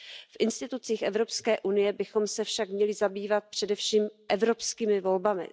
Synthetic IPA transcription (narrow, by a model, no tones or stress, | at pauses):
fʔɪnst̪ɪt̪ut͡siːxʔɛvɾo̞pskɛːʔunɪjɛbɪxo̞msɛfʃakmɲɛlɪzabiːvat̪̚pr̥ɛdɛfʃiːmʔɛvɾo̞pskiːmɪvo̞lbamɪ̰